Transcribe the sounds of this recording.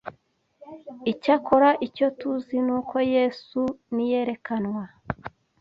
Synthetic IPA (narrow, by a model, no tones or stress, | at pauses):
icako̞ɾaʔico̞tuzinuːkʰo̞jesunije̞ɾe̞kanwa